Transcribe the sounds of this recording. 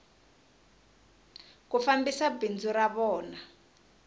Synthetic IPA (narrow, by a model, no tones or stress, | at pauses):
kufambisabind͡zuɾaβɔːna